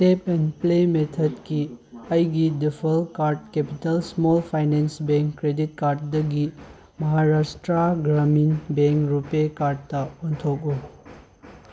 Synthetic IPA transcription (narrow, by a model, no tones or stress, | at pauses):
tepɛnplemetʰɐdkiɐjɡidipʰɐlkaɾd̚kepitɐlsmɔlpʰajnensbeŋkːɾedit̚kaɾd̚dɐɡi | mɐɦaɾastɾaɡɾaminbeŋkɾupekaɾd̚tɐɔntʰok̚u